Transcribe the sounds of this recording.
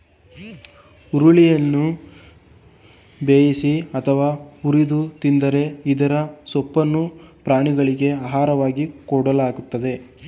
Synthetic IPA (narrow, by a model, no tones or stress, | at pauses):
uɾuɭijɐnːu | beːjisiɐt̪ʰɐʋaːuɾid̪ut̪ind̪ɐɾe̞id̪ɐɾɐsɔpːɐnːupɾaːɳiɡɐɭiɡe̞aːɦaːɾɐʋaːɡikɔɽɐlaːɡut̪ːɐd̪e̞